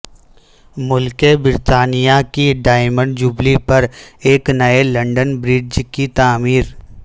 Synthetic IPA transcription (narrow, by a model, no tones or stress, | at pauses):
mʊlkebɪɾt̪aːnijakiɖaːɪmə̃ɳɖd͡ʒuːblipɐɾeːknɐelɐ̃ɳɖənbɾɪɖd͡ʒkit̪aːmiːɾ